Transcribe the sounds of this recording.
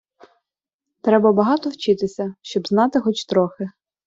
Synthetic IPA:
t̪ɾɛbɐbɐɦɑt̪ɔwt͡ʃɪt̪ɪsʲɐʃt͡ʃɔbznɑt̪ɪxɔt͡ʃt̪ɾɔxɪ

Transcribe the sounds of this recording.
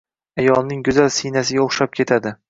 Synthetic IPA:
ajɒlˠnɪŋɡʊzalsɪjnas̬ɪɡʲaoχʃap̚kʲʰe̞t̪ʰad̪ɪ

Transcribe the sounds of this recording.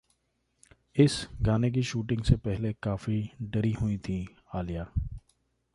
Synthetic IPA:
ɪsɡaːnek̬iʃuːʈɪ̃ŋɡsepɛɦlekaːfiɖəɾiɦʊĩt̪ʰi | aːlijaː

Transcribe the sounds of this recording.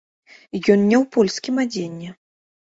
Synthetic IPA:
jɔnnʲɛwpɔlʲskʲimad͡zʲenʲːɛ

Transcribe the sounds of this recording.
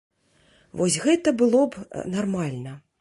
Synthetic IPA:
vɔsʲɣɛt̪ɐbɨlˠɔbnarmalʲnɐ

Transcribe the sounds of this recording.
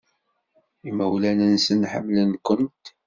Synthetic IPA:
imæwlænənsənħə̰mːlənkənt̪

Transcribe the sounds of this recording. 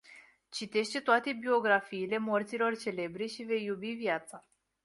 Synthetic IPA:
t͡ʃit̪e̞ʃt̪e̞t̪oat̪e̞bio̞ɡɾafiːle̞mo̞rt̪silo̞rt͡ʃe̞le̞bɾe̞ʃive̞jːubivjat̪sa

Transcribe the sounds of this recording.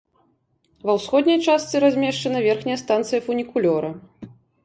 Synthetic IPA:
vɐwsxɔd̪ʲnʲɐjt͡ʂast̪sɨɾazʲmʲɛʂt͡ʂɐnɐvʲɛrxnʲɛjɐst̪ant̪sɨjɐfunʲikulʲɔɾɐ

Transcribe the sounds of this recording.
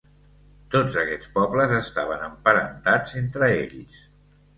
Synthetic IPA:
t̪od͡zəkɛt͡spɔbləzəst̪aβənəmpəɾə̰nt̪ad͡zent̪ɾəḛʎs

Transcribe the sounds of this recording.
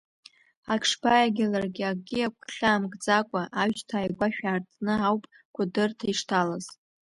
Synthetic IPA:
akʂbajaɡʲɪlarɡʲɪaɡʲiakʷʰʼɬaːmɡʼd͡zakʷʼaʔaɥt͡ʃʼtʰaːjɡʷaʃᶣaːrt͡sʰʼnɨawpʼ | kʷʰadɨrtʰaiʂtʰalaz̥

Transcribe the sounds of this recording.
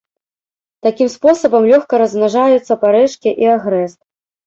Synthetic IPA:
t̪akʲimspɔsɐbɐmlʲɔxkɐɾɐzmnaʐajut̪sːɐpaɾɛʂkʲiʔiaɣɾɛst̪

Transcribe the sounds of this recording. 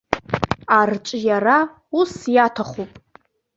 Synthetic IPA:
art͡ʃʼjara | usjatʰaχʷupʼ

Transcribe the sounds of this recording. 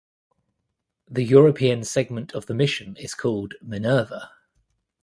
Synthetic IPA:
ðəjɔːɹəpʰiə̃nsɛɡ̚mə̃ntʰəvðəmɪʃə̃nɪz̥kʰɔːlˠdmənɜːvə

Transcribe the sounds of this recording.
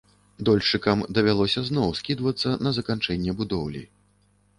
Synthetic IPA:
d̪ɔlʲʂɨkɐmd̪ɐvʲalˠɔsʲɐznɔwskʲid̪vɐt̪sːɐnɐzɐkant͡ʂɛnʲːɛbud̪ɔwlʲḭ

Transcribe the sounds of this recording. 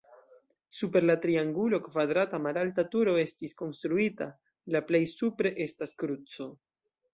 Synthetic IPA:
supe̞ɾlatɾiaŋɡulo̞kvadɾatamaɾaltatuɾo̞e̞stisko̞nst̪ɾuita | laple̞jsupɾe̞ʔe̞staskɾut͡so̞

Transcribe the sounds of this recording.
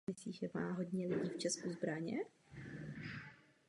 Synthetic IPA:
ɪsliːʒɛma̰ːɦo̞d̪ɲɛlɪɟiːft͡ʃɛskuzbɾaɲɛ̰

